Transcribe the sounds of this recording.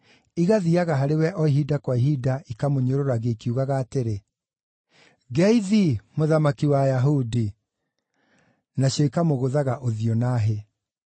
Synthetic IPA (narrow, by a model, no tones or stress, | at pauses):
iɣaðiaɣaɦaɾewɛʔɔiɦidakwaiɦidaikamoɲoɾoɾaɣeikiuɣaɣaːteɾe | ɡɛiðimoðamakiwajaɦudi | naɕjɔikamoɣoðaɣaʔoðiɔnaɦe